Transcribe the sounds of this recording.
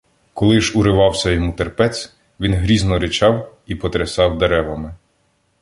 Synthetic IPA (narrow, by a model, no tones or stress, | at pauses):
kɔlˠɪʒuɾɪʋɑwsʲɐjɔmut̪erpɛt͡sʲ | ʋʲinɦɾʲiznɔɾɪt͡ʃɑwipɔt̪ɾɪsɑwd̪eɾɛʋɐmɪ